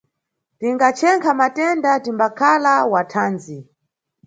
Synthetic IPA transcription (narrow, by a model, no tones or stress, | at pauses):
tiŋɡat͡ʃʰɛŋkʰamatɛndatimbakʰalawatʰaːnd͡zi